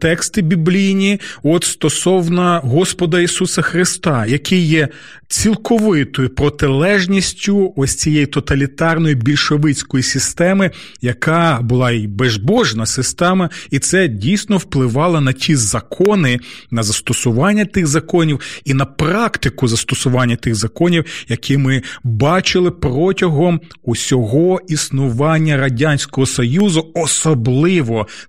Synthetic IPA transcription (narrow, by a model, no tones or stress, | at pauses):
t̪ɛkst̪ɪbʲiblʲijnʲiɔt̪st̪ɔsɔwnɐɦɔspɔd̪ɐisusɐxɾɪst̪ɑjɐkɪjjɛ | t͡sʲilˠkɔʋɪt̪ɔjʊpɾɔt̪ɪlˠɛʒnʲisʲtʲʊɔsʲt͡sʲijejit̪ɔt̪ɐlʲit̪ɑrnɔjibʲilʲʃɔʋɪt͡sʲkɔjisʲist̪ɛmɪ | jɐkɑbʊlˠɑibezbɔʒnɐsɪst̪ɛmɐit̪sɛdʲijsʲnɔwplˠɪʋɑlˠɐnɐtʲʰizɐkʰɔnɪnɐzɐst̪ɔsʊʋɑnʲːɐt̪ɪɣzɐkɔnʲiwinɐpɾɑkt̪ɪkʊzɐst̪ɔsʊʋɑnʲːɐt̪ɪɣzɐkɔnʲiwjɐkʰimɪbɑt͡ʃɪlˠɪprɔtʲɐɦɔm | usʲɔɦɔisnʊʋɑnʲːɐɾɐdʲanʲsʲkɔɦɔsɔjuzʊɔsɔblˠɪʋɔ